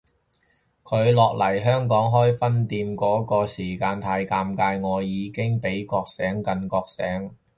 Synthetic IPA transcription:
kʰɵ˨˧ɥlɔː˨k̚lɐ˨˩jɦœː˥ŋkɔː˨˥ŋɦɔː˥jfɐ˥nt̪iː˧mkɔː˨˥kɔː˧siː˨˩kaː˧nt̪ʰaː˧jkaː˧mkaː˧jŋɔː˨˧jiː˨˧kɪ˥ŋpe˨˥jkɔː˧k̚sɛː˨˥ŋkɐ˨nkɔː˧k̚sɛː˨˥ŋ

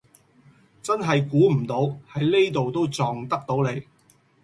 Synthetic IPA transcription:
t͡sɐ˥nɦɐ˨jkuː˨˥m̩˨˩t̪o˨˥whɐ˨˥jle˥jt̪o˨wt̪o˥wt͡sɔː˨ŋt̪ɐ˥k̚t̪o˨˥wle˨˧j

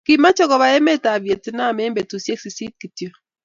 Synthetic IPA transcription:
ki˨ma˦t͡ʃɔ˦kɔ˨βa˨jɛ˦me˦ta˨βje˨ti˦na˦˨me˦mbe˨tu˨sje˦ksi˨si˦t̚ki˨tjo˦

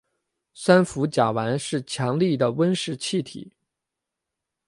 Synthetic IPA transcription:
swa˥nfu˧˥t͡ɕja˨˩wa˧˥nʂɻ̩˥˩t͡ɕʰjɑ˧˥ŋli˥˩d̪ə˩wə˥nʂɻ̩˥˧t͡ɕʰi˥˩t̪ʰḭ˨˩˦

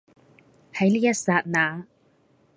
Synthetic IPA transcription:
hɐ˨˥jliː˥jɐ˥t̚saː˧t̚naː˨˧

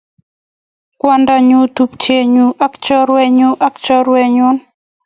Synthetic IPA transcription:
kwa˦nda˨ɲu˨t̪u˨pt͡ʃe˨ɲu˨ʔa˦kt͡ʃɔ˦ɾwɛ˦ɲu˦ʔa˦kt͡ʃɔ˦ɾwɛ˦˨ɲu˦n

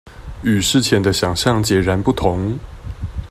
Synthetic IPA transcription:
y˨˩ʂɻ̩˥˧t͡ɕʰjɛ˨˥nd̪ə˧ɕjɑ˨˩ŋɕjɑ˥˨ŋt͡ɕjɛ˨˩ɻa˧˦npu˥˩t̪ʰʊ˧˦ŋ

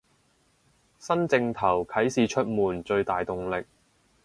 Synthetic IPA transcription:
sɐ˥nt͡sɪ˧ŋt̪ʰɐ˨˩wkʰɐ˨˥jsiː˨t͡ʃʰɵ˥t̚muː˨˩nt͡ʃɵ˧ɥt̪aː˨jt̪ʊ˨˧ŋlɪ˨k̚

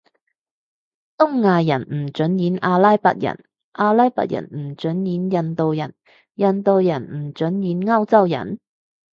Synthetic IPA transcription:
t̪ʊ˥ŋːaː˧jɐ˨˩nm̩˨˩t͡ʃɵ˨˥njiː˨˥nʔaː˧laː˥jpɐ̰˨t̚jɐ̰˨˩n | ʔaː˧laː˥jpɐ̰˨k̚jɐ̰˨˩nm̩˨˩t͡ʃɵ˨˥njiː˨˥njɐ˨nt̪o˨wjɐ˨˩n | jɐ˨nt̪o˨˧wjɐ˨˩nm̩˨˩t͡ʃɵ˨˥njiː˨˥nŋɐ˥wt͡sɐ˥wjɐ̰˨˩n

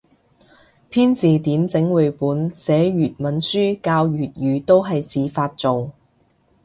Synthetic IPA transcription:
pʰiː˥nt͡siː˨t̪iː˨˥nt͡sɪ˨˥ŋwu˨˩puː˨˥nsɛː˨˥jyː˨t̚mɐ˨˥nsyː˥kaː˧wjyː˨t̚jyː˨t̪o˥wɦɐ˨jt͡siː˨˧faː˧t̚t͡so˨w

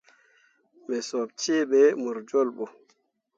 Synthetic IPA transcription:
ɓɛ˨sɔ˨b̚t͡ʃe˦ɓɛmu˨ɾd͡ʒɔ˦lɓɔ˨

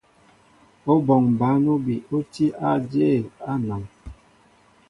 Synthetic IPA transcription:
o˦bɔ˨ŋ˨ba˨˦no˦bi˨o˦ti˦a˦d͡ʒe˦˨a˦na˨ŋ

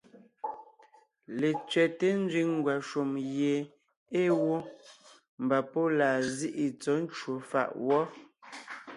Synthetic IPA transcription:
le˨t͡sɥɛ˨te˦n˦d͡zɥi˦ŋ˦ɡwa˨ʃu˨mje˨ | e˦wo˦ | m̩˨ba˨po˦laː˨zi˦ʔi˨t͡sɔ˨˦n̩˦t͡ʃwo˨fa̰˦˨ʔwɔ˦

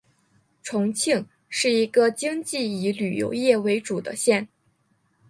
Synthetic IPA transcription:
ʈ͡ʂʰʊ˧˥ŋt͡ɕʰi˥˩ŋ | ʂɻ̩˥˩i˧˥ɡə˧t͡ɕi˥ŋt͡ɕi˥˩i˧˥ly˨˩jo̰˧˥ʊjɛ˥˩we˧˥ɪʈ͡ʂu˨˩d̪ə̰˦ɕjɛ˥˩n

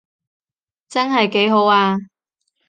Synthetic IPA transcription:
t͡sɐ˥nɦɐ˨jke˨˥jɦo˨˥waː˧

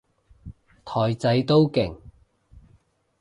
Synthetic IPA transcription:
t̪ʰɔː˨˩jt͡sɐ˨˧jt̪o˥wkɪ˨˩ŋ

